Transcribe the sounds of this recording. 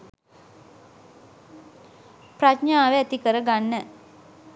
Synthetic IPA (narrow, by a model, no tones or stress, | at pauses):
pɾat͡ʃɲaːʋeæt̪ikəɾəɡanːə